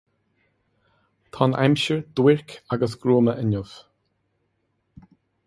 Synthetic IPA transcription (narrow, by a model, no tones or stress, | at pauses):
t̪ʰɑːnʔɛ̰mʃəɹd̪̥wɪɹkʰaɡəsɡɾuːməʔənʊv